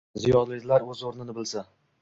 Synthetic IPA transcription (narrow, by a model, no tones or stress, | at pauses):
zijɒnlɪzlaɾɵzoɾnɪnɪbɪlsa